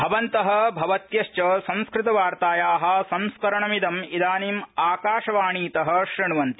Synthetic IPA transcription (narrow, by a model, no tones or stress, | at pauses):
bʱɐʋɐnt̪ɐɦɐ̆bʱɐʋɐt̪jɐʃt͡ʃɐsɐ̃ñskɾɪt̪ɐʋaːɾt̪aːjaːɦɐ̆sɐ̃w̃skɐɾɐɳɐmid̪ɐmid̪aːniːmaːkaːʃɐʋaːɳiːt̪ɐɦɐ̆ʃɾiɳuʋɐnt̪i